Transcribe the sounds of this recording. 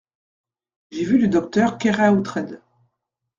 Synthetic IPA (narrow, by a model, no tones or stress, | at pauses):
ʒevyləd̪ɔk̚t̪œʁkʲɛʁaut̪χɛd̪